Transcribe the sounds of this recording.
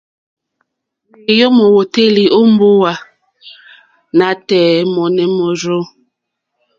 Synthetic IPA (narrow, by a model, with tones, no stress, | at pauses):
e˨jo˦mo˨wo˨te˦li˨ʔo˦m˦bo˦wa˨ | na˨tɛː˨mɔ˨nɛ˨mo˨ɾo˦